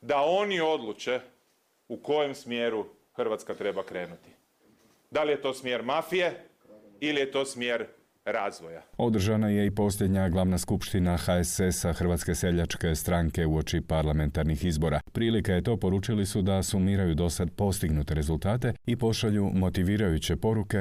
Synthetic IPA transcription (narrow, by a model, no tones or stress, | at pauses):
d̪ao̞nio̞d̪lˠut͡ʃe̞ | uko̞jemsmjeɾu | xrʋat̪skat̪ɾe̞bakɾe̞ːnut̪i̥ | d̪alije̞t̪o̞ːsmjeɾmafije | ilijet̪o̞ːsmjeɾ | ɾaːzʋojao̞d̪r̩ʒanaje̞ipo̞sʎʲe̞d̪ɲaɡlˠaʋnaskupʃt̪inaxaesesaxrʋat̪ske̞se̞ʎat͡ʃke̞st̪ɾaŋke̞uo̞t͡ʃipaɾlˠame̞nt̪aɾnixizbo̞ɾapɾiːlikaje̞t̪o̞ːpo̞ɾuːt͡ʃilisud̪asumiːɾajud̪o̞sad̪po̞st̪iɡnut̪e̞ɾe̞zulˠt̪aːt̪e̞ipo̞ʃaʎumo̞t̪iʋiːɾajut͡ɕe̞po̞ɾuke̞